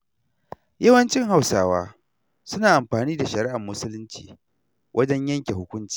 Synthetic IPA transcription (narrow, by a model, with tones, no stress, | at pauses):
jɐ˦wɐ˦nt͡ʃɪ˦ŋha˦˨wsaː˦wa̰ː˦ | sʊ˦naː˨ʔa˨mɸaː˨niː˦da˨ʃɐ˨ɾɪ˦ʔa˨mːʊ˦sʊ˦lʊ˦nt͡ʃḭː˨ | wʔɐ˦d͡ʒɛ˦ɲjɐ˦ŋkʲe˨hʊ˦kʷʊ˦nt͡ʃi̥ː˨